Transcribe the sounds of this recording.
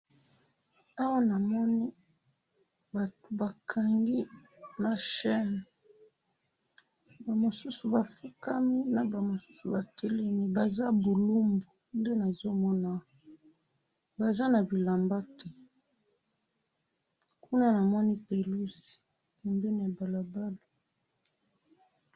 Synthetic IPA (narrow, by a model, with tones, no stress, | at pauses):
a˦wa˦na˨mɔ˦ni˦ | ba˨to˨ba˨kʰa˨ŋɡi˦ | na˨ʃɛ˦n˨ | ba˨mo˨su˦su˨ba˨fi˦ka˦mi˦na˨ba˨mo˨su˦su˨ba˨tʰɛ˦le˦mi˦ba˨za˦bo˨lu˦mbo˨nde˦na˨zo˦mɔ˦na˦ | ba˨za˦na˨bi˨la˨mba˦te˦ | ku˦na˦na˨mɔ˦ni˦pe˨lu˦si̥˨ | pe˨mbe˦ni˨a˨ba˨la˨ba˦lo˨